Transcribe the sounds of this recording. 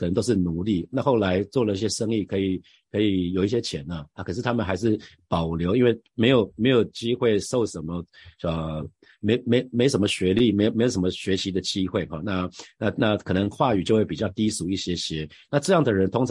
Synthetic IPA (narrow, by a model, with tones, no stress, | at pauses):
kʰə˨˩ə˧˦ŋt̪o˥ʊʂɻ̩˥˩nu˧˥li˥˩na˥˧xo˥˩ʊla˧˥ɪt͡swɔ˥˩lə˩i˥˩ɕ̬jɛ˥ʂə˥ŋi˥˨˩kʰɤ˧˥i˨˩ | kʰɤ˧˥i˨˩jo˨˩ʊi˥˩ɕjɛ˥t͡ɕʰjɛ˨˩˦nɐ˧a˥˩kʰɤ˨˩ʂɻ̩˥˩t̪ʰa˥mə˨nxa˧˥ɪʂ̬ɻ̩˥˩pɑ˨˩ʊljo˧˥ʊi˥nwe˥˩ɪme˧˥ɪjo˨˩ʊme˧˥ɪjo˨˩ʊt͡ɕi˥xwe˥˩ɪʂo˥˩ʊʂə˨˩nmə˧˦ə˨˩ | me˧˥ɪjo˨me˧˥ɪ˨me˧˥o˧˩ʂə˧˦mə˧ɕɥɛ˧˥li˥˩m˧˥jo˨˩me˧˥jo˨˩ʊʂə˧˦˥mə˧ɕɥɛ˧˥t͡ɕʰi˧˥d̪ə˨t͡ɕi˦˥xwe˥˩ɪxɑ˨˩na˥˧na˥˧na˥˧kʰɤ˨˩nə˧˦ŋxwa˥˩y˨˩t͡ɕo˥˧xwe˥˩pi˨˩t͡ɕɑ˥˧˩ʊt̪i˥su˧˥i˥˩ɕjɛ˦˥ɕjɛ˧˥ | na˥˧ʈ͡ʂɤ˥˧jɑ˥˩ŋd̪ə˩ɻə˧˥nt̪ʰʊ˥ŋʈ͡ʂʰ